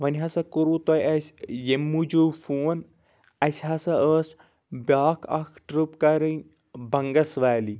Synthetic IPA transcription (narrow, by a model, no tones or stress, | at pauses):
ʋɐnʲɦɐsɐkuɾuːt̪ojɐsʲjemːud͡ʒoːfoːn | ɐsʲɦɐsɐəːs | baːkʰɐ̰kʰʈɾupkɐɾɨn | bɐŋɡɐsʋaːli